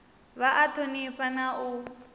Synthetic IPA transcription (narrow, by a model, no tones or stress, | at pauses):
βaʔatʰoniɸanau